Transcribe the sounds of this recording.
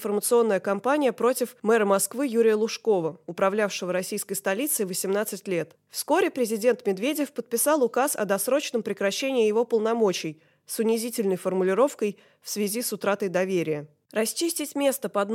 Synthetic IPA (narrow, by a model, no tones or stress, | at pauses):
fərmət̪sɨo̞nːəjəkɐmpanʲɪjəpɾo̞tʲɪfmɛɾəmɐskvɨjuɾʲɪjəlˠʊʂko̞vəʊpɾɐvlʲafʂəvəɾɐsʲijskəjst̪ɐlʲit̪sɨɪvəsʲɪmnat̪sɨtʲlʲe̞t̪ | fsko̞ɾʲɪpɾʲɪzʲɪdʲe̞nt̪mʲɪd̪vʲedʲɪfpət̪̚pʲɪsɑlˠʊkasɐ̰d̪ɐsɾo̞t͡ɕnəmpɾʲɪkɾɐɕːenʲɪːjɪvo̞pəlˠnɐmo̞t͡ɕɪj | sʊnʲɪzʲitʲɪlʲnəjfərmʊlʲɪɾo̞fkəj | fsvʲɪzʲisʊt̪ɾat̪əjd̪ɐvʲeɾʲɪjə | rɐsʲt͡ɕisʲtʲɪtʲmʲe̞st̪əpəɐd̪n